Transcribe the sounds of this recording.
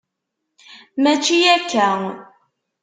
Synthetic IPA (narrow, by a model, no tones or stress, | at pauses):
mæt͡ʃːijækːæŋ